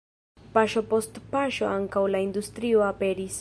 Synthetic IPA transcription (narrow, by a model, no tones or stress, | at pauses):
paʃo̞po̞stpaʃo̞̰aŋkawlaind̪ustɾio̞ape̞ɾis